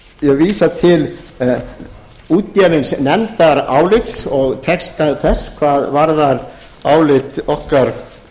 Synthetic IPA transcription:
jɛɣviːsat̪ʰɪl | uːt̪javɪnsnɛmt̪aɾaːwlɪt̪sɔɣt̪ʰɛkst̪aθɛskʰvaðvaɾðaɾ | aːwlɪt̪ɔhkaɾ̥

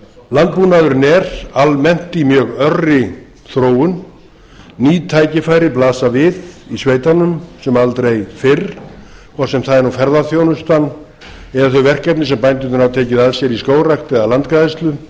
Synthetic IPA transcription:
lant̪̚puːnaðʏɾnɛɾalmɛn̥t̪imjœːɣœrɪ | θɾoːwʏn | niːt̪ʰaːjcɪfaːjɾɪplaːsavɪðisveːjt̪anʏmsɛmalt̪ɾejfɪrkʰvɔr̥sɛmθaðɛɾnufɛɾðaθjownʏst̪an | ɛðaθœɥvɛr̥kɛpnɪsɛmpajnt̪ɪ̥θʏnavt̪ʰeːjcɪðaðsjɛɾiskoːwrakt̪ɛɣalant̪kaðɪst̪lʏ

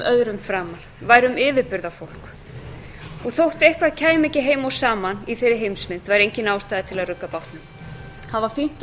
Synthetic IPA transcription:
ʔœðɾʏmfɾaːmalvaːjɾʏmɪːvɪɾpʏɾðafowl̥k | ɔɣθowht̪ejhkvaðcʰaːjmɛcɪɦeːjmawsaːmaniθejɾɪɦejmsmɪn̥t̪vajɾejɲcɪnaːwst̪ajðɪt̪ʰɪlaðrʏkːapawht̪nʏm | haðvaɾ̥fim̥t̪

